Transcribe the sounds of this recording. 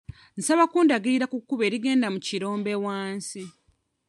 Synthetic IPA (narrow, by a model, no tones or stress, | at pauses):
n̩saβakuːndaɡiːɾakukːuβeːɾiɡe̞ːndamuciɾo̞ːmbe̞waːnsi